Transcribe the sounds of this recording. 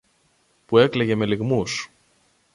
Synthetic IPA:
pue̞kleʝe̞me̞liɣmus

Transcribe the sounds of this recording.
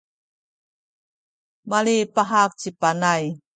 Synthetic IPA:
malipaɦak̚t͡ɕipanaj

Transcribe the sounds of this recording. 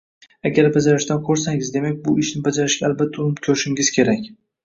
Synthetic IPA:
aɡʲaɾbad͡ʒaɾɪʃt̪ankʰoɾsaŋɪzd̪e̞mak̚ʲbʊɪʃnɪbad͡ʒaɾɪʃɡʲaalbat̪ʰːaʊnɪpkʲʰoɾɪʃɪŋɪz̥kʲʰe̞ɾakʲ

